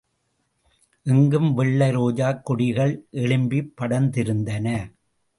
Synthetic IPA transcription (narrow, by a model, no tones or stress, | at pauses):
ʔɪŋɡɯmʋɪɭːɐɾoːd͡ʒaːkːʊɽɪɣɐɭʔɛɭɯmbipːɐɽɐnd̪ɪɾɯnd̪ɐnɐ